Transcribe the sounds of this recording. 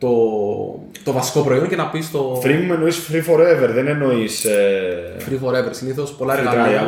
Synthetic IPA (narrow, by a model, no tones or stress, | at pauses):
t̪o̞ | t̪o̞vɐsi̥ko̞pɾo̞ioɲcenɐpist̪o̞fɾimumenoisfɾifo̞ɾeveɾðeneno̞isefɾifo̞ɾeveɾsiniθo̞spo̞lɐeɾɣɐɾɐɐ